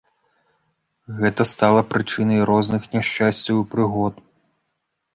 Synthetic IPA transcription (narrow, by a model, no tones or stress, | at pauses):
ɣɛt̪ɐst̪alˠɐpɾɨt͡ʂɨnɐjɾɔznɨxnʲaʂt͡ʂasʲt͡sʲɐwipɾɨɣɔt̪